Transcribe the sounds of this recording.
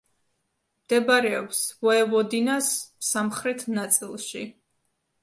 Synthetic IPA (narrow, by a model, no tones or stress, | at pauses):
md̪̥ɛbaɾɛɔ̰psvɔɛvɔd̪inasːamχɾɛt̪ʰnat̪sʼilˠʃi